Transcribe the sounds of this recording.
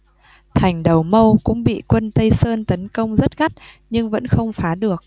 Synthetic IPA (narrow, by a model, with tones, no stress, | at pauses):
t̪ʰa˨˩jŋ̟ɗə˨˩wmə˧wkʊ̰˧˥ŋ͡mɓḭ˧˨kwə˧nt̪ə˧jsəː˧nt̪ə˨˦nkə˧wŋ͡mzə˦˥t̚ɣa˦˥t̚ | ɲɨ˧ŋvə̰˧˥nxə˧wŋ͡mfaː˨˦ɗɨ˨˩ək̚